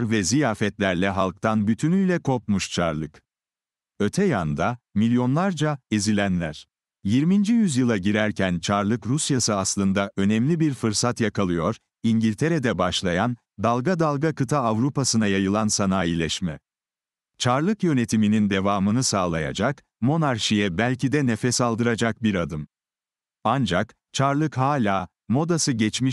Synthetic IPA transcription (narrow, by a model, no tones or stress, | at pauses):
ɾvɛzijaːfɛt̪lʲæɾlʲɛɦalˠk̚t̪ʰanbyt̪ʰynyjlʲɛkʰo̞pmuʃt͡ʃʰa̰ɾlˠɯk | ø̞t̪ʰɛjand̪amilʲjo̞nlˠaɾd͡ʒaizilʲænlʲæɾ̥ | jiɾmind͡ʒijyzjɯlˠaɟiɾæɾcʰænt͡ʃʰaɾlˠɯkɾusjasɯaslˠɯnd̪aʔø̞nɛmlʲibiɾfɯɾsat̪jakʰalˠɯjo̞ɾ | iɲɟilʲt̪ʰe̞ɾed̪ɛbaʃlˠajan | d̪alˠɡad̪alˠɡakɯt̪ʰaːvɾupasɯnajajɯlˠansanaːjilʲɛʃmɛ | t͡ʃʰaɾlˠɯkjø̞ne̞t̪ʰiminind̪e̞vaːmɯnɯsaːlˠaja̰d͡ʒak | mo̞naɾʃijɛbælʲcid̪ɛnefɛsalˠd̪ɯɾad͡ʒak̚biɾad̪ɯm | and͡ʒak | t͡ʃʰaɾlˠɯkɦaːlʲaː | mo̞d̪asɯɟɛt͡ʃmi